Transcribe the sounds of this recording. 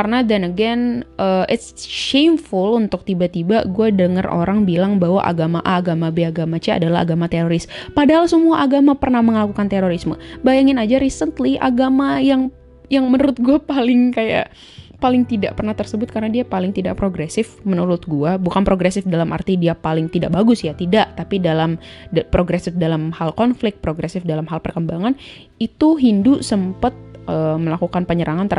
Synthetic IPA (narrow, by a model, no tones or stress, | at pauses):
karnadanəɡɛnʔəʔɪt̪sʃemfʊlunt̪ʊk̚t̪ibat̪ibaɡuadəŋərʔo̰ɾaŋbilaŋbaɦwa̰ʔa̰ɡamaʔaːɡamabeaɡamat͡ʃɛa̰dalaa̰ɡamat̪eɾoɾɪspadaɦalsəmuaʔaɡamapərnahməŋlakukant̪eɾoɾisməbajaŋɪnad͡ʒaɾisənt̪liʔa̰ɡamajaŋ | jaŋmənəɾʊt̪̚ɡuapalɪŋkaja̰ʔ | palɪŋt̪idaʔpərnaht̪ərsəbʊt̪̚kaɾənadiapalɪŋt̪ida̰ʔpɾoɡɾesɪfmənuɾʊt̪̚ɡuabukanpɾoɡɾesɪfdalamʔa̰rt̪idiapalɪŋt̪ida̰ʔbaɡʊsjat̪idaʔt̪apidalampɾoɡɾɛsɪfdalamhalkɔnflɪk̚t̪̚pɾoɡɾɛsɪfdalamɦalpərkəmbaŋan | it̪uɦindusəmpət̪̚ʔəːməlakukanpəɲəɾaŋant̪ə